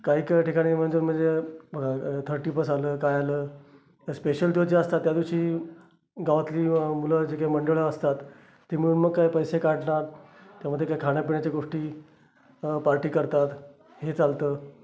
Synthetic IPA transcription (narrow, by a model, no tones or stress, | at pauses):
kaɦiːkʈikaɽ̃im̤əɳd͡zoːm̤əɳd͡zebʱəɡat̪ʰəɾʈiːpəsaləːkajaləː | speɕəld̪od͡ʑiəst̪at̪ːjad̪iuɕiː | ɡaʋat̪liːmuləd͡ʑekaiməɳɖəɭəəst̪at̪ː | im̤uɭuːnməɡ̚kːaipəjsekaʈɳaɾt̪jam̤əd̪ʱjekaikʰaɽ̃japiɳjat͡ɕeɡoʂʈiː | paɾʈiːkəɾt̪at̪ | ɦet͡salt̪əː